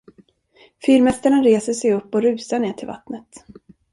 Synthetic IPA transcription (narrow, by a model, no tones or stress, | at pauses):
fyːɾmɛst̪əɳaɾeːsəʂɛjɵpːɔɾʉ̟ːsaɳeːʈʰɪlva̰t̪nət̪